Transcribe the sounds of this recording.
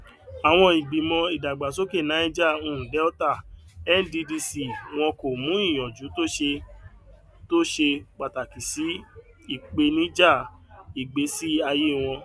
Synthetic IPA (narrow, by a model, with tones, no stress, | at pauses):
a˨w̃ɔ̃˧i˨ɡ͡bi˨mɔ̃˧i˨da˨ɡ͡ba˨so˦ke˦˨nã˨˦i˦d͡ʒa˦˨o˧˨hũ˨dɛ˨˦ɔ˦ta˦˨ɛ˦n˦di˧di˧si˧˨w̃ɔ̃˧ko˨mũ˨˦i˦˨j̃ɔ̃˨d͡ʒu˨˦to˦ʃe˧ | to˦ʃe˧k͡pa˨ta˨ki˨si˨˦ | i˦˨k͡pe˧nĩ˨˦d͡ʒa˦˨i˨ɡ͡be˨˦si˦a˧je˦˨w̃ɔ̃˧